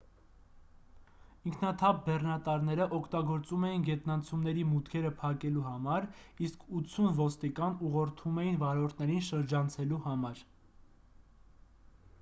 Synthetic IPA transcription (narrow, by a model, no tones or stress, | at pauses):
iŋkʰnɑt̪ʰɑp̚bɛrnɑt̪ɑɾnɛɾəʔɔkʰt̪ɑɡɔɾt͡sumɛjinɡɛt̪nɑnt͡sʰumnɛɾimut̪kʰɛɾəpʰɑkɛluɦɑmɑɾiskʰut͡sʰːunvɔst̪ikɑnuʁɔɾt̪ʰumɛjinvɑɾɔɾt̪ʰnɛɾinʃəɾd͡ʒɑnt͡sʰɛluhɑmɑɾ